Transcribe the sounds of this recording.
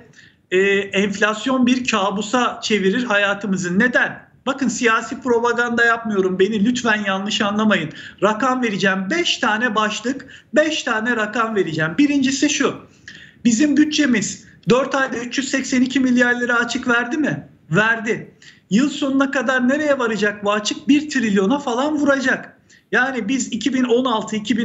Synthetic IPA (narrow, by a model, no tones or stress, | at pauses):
ɛːɛɱflʲasjo̞nbiɾcʰaːbusat͡ʃʰe̞viɾiɾɦajaːt̪ʰɯmɯzɯnːe̞d̪æn | b̥akɯnsijaːsiːpɾo̞baɡand̪ajapmɯjo̞ɾumbe̞nilʲyt̪fænjanlˠɯʃanlˠamajɯnɾakamve̞ɾid͡ʒæːmbɛʃt̪ʰaːnɛbaʃlˠɯkbɛʃt̪ʰaːnɛɾakamve̞ɾid͡ʒæːmbiɾind͡ʒisiʃu | bizimɟyt͡ʃ̚t͡ʃe̞mizd̪øɾt̪ʰajd̪ayt͡ʃjyz̥sɛcsɛnicʰimilʲjaɾlʲˠeɾɛat͡ʃʰɯkvæɾd̪imɪ | væɾd̪ɪjɯlˠso̞nunakad̪aɾne̞ɾe̞jɛvaɾad͡ʒak̚buat͡ʃʰɯk̚biɾt̪ʰɾilʲjo̞nafalˠanvuɾad͡ʒak | jaːnibizicʰibino̞nalˠt̪ʰɯicʰibi